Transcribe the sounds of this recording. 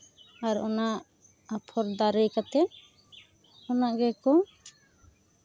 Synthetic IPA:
aɾɔnaʔ | apʰɔɾd̪aɾɛjkat̪ɛ | ɔnaʔɡɛkɔ

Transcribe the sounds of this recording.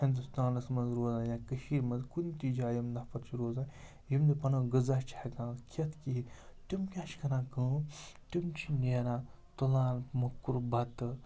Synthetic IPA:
hind̪ust̪aːnɐsmɐnzɾoːzaːjãːkəʃiːɾmɐnzkunit̪id͡ʒaːjimd̪ɐpʰɐɾt͡ʃʰiɾoːzaː | ɦimd̪ipɐnɐɡɨzat͡ʃʰeɡãːkʰɐt̪ʰkiɦit̪umkʲãːʃkɐɾãːkə̃ːt̪umt͡ʃʰineːɾãː | t̪olaːnmɐkːuɾbɐt̪ɨ

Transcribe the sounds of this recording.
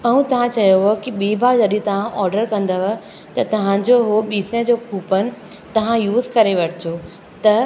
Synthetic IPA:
ɐɦũt̪ɐʋ̤ãt͡ɕɐjoɦkiɓiːbaɾd͡ʑɐɗĩt̪ɐʋ̤ãʔɔːɾɖəɾkɐ̃nd̪əʋə | t̪ɐt̪ɐʋ̤ãd͡ʑoɦoɓiːsẽd͡ʑokʰuːpənɪ̆ | t̪ɐʋ̤ãjuːzkɐɾeʋɐʈʰd͡ʑo | t̪ɐ

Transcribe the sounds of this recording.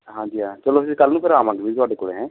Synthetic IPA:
ɦãːd͡ʒiːɦãːt͡ʃəlosikəlːnũːpʰɪɾaːmãːŋɡebit̪ʊaːɖekoːɽeɦɛ̃ː

